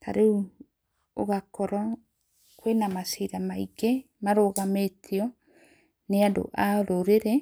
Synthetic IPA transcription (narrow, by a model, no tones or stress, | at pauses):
tʰa̰ɾeu | oɣakɔɾɔ | kwenamasiɾamaiɡe | maɾoːɣametʰiɔ | neado̰ʔaɾoɾeɾɛ